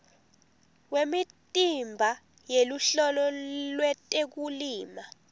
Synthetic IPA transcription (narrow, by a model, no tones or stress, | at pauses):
wemitʼimbʱa | jeluɬɔlɔlwɛtʼek̬uliːma